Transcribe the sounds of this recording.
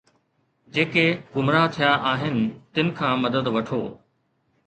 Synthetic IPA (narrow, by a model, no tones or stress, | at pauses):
d͡ʑeːkeɡʊmɾat̪ʰijaʔaːɦɪnɪ̆t̪ɪnɪ̆kʰãːmɐd̪əd̪ʋɐʈʰoː